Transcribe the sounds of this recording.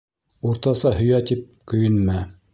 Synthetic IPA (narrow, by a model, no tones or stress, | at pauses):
uɾt̪ɑsɑhɵ̆jæt̪ip̚kɵ̆jɵ̆nmæ